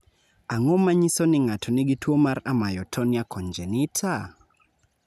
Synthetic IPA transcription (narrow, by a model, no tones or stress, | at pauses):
aŋomaɲisɔnɪŋatʰɔnɪɡitwomaɾamajɔtʰɔniakʰɔɲd͡ʒɛnɪtʰa